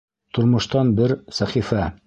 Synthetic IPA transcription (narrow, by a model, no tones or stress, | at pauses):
t̪ŏɾmŏʃt̪ɑnbɘɾsæχifæ